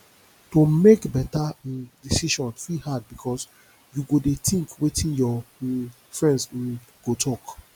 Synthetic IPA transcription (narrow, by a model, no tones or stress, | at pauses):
tomekbɛtadisiʃɔ̃nfihad̚bikʰɔs | juɡodetĩŋkwetʰĩnjɔ | fɹɛ̃nds̩ɡ̥otʰɔk